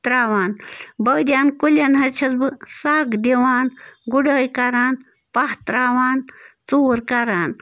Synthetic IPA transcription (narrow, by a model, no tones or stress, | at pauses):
t̪ɾaːʋaːnbɐːd̪ʲjaːnkulʲɐnɦɐt͡ʃʰɐt͡sbɨsaːɡd̪eʋaːnɡuɽəːjkɐɾaːn | pɐht̪ɾaːʋaːn | t͡soːɾkɐɾaːn